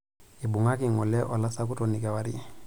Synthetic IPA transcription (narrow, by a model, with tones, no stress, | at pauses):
ɪ˨bʊ˨ŋa˦kɪ˨ŋɔ˨lɛ˦ʔɔ˨la˦sa˦k̬ʊ˦tɔ˨ni˨kɛ˨wa˨ɾɪ˦